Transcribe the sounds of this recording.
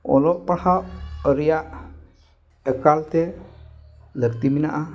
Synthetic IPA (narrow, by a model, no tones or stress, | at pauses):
ɔ̰lɔʔpahawəɾijaʔ | əkalt̪e | ləkt̪iminaʔa